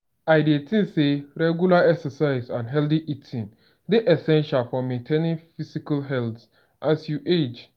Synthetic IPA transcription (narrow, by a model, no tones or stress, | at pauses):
aɪdietʰĩnseɹɛɡjulaɛksəsaɪzãnɦɛldiʔitʰĩn | deʔɛsɛ̃nʃalfɔmẽntʰẽnĩnfisikalɦɛlt | ʔasjuʔed͡ʒ